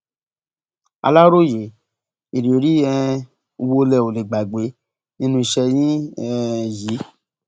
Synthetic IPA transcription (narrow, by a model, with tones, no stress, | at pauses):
a̰˧la˦ɾo˦˨je˨ | i˨ɾi˨o˨˦ɾi˦ɛ˧ | o˧wo˧lɛ˧˨o˨le˨ɡ͡ba˨ɡ͡be˨˦ | nĩ˦nũ˧˦i˧ʃɛ˧j̃ĩ˦ɛ˧ji˨˦